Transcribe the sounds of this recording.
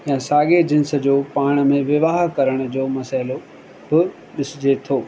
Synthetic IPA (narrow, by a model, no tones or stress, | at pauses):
jãːsaːɡed͡ʑɪ̃nsə̆d͡ʑoːpaːɽ̃ə̆mẽʋɪʋaːɦkɐɾəɽ̃ʊ̆d͡ʑoːmɐsaːɪlo | bɪ | ɗɪsɪd͡ʑet̪ʰoː